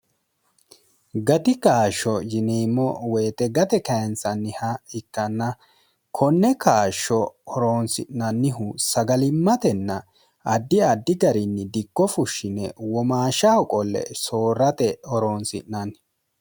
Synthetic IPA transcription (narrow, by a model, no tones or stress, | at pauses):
ɡɐt̪ɪkaːʃːɔjɪneːmːɔwɛːt̪ɛɡɐt̪ɛkɐjɛnsɐnːɪhɐɪkːɐnːɐ | kʰɔnːɛkaːʃːɔɔɾoːnsɪ̰ʔnɐnːɪɦʊsɐɡɐlɪmːɐt̪ɛnːɐ | ɐd̪ːɪɐd̪ːɪɡɐɾɪnːɪd̪ɪkːɔfʊʃːɪnɛ̰wɔmaːʃːɐhɔkʼɔlːɛ̰soːɾɐt̪ɛɔɾoːnsɪ̰ʔnɐn